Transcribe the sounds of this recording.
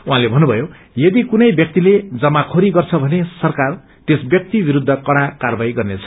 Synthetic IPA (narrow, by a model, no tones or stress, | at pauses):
uɦãlebʱʌnːubʱʌjo | jʌd̪ikunʌjbjʌk̚t̪iled͡zʌmakʰoɾiɡʌrt͡sʰʌbʱʌnesʌrkar | t̪esbjʌk̚t̪ibiɾud̪ʱːʌkʌɽakarbajɡʌrnet͡sʰʌ̥